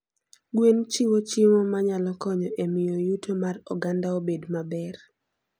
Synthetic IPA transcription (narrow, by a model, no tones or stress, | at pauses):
ɡwent͡ʃiwot͡ʃɪŋomaɲalɔkɔɲɔʔemɪjojutʰomarɔ̰ɡandaobedmabɛr